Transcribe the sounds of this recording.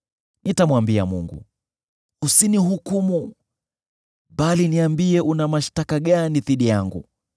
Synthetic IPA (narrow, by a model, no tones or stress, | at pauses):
nitamwambia̰mṵŋɡṵ | usiniɦukumu | ɓaliniambiɛʔunamaʃtakaɠaniðiɗijaŋɡṵ